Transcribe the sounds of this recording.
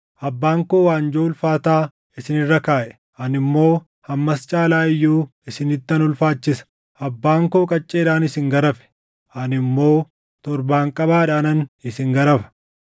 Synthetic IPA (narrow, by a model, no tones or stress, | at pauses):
ʔɐbːaːŋkoːwaːnd͡ʒoːʊlfaːt̪aː | ɪsɪnɪrːɐkaːʔɛ | ʔɐnɪmːo̞ː | hɐmːɐst͡ʃʼaːlaːɪjːuːɪsɪnɪt̪ːɐnʊlfaːt͡ʃːɪsɐ̥ | ɐbːaːŋkoːkʼɐt͡ʃʼːe̞ːᶑaːnɪsɪŋɡɐɾɐfɛ̥ | ʔɐnɪmːo̞ː | t̪ɔɾbaːŋkʼɐbaːᶑaːnɐnɪsɪŋɡɐɾɐfɐ̥